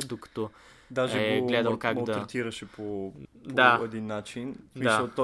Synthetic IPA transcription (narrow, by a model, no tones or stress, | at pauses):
d̪okɐ̥t̪ɔ | d̪aʒɛɛɡolɛd̪əmkaɡd̪ɐt̪ɾɛt̪iɾɐʃɛpʰopdoaɛd̪inːat͡ʃinsmsɐlˠt̪ɔ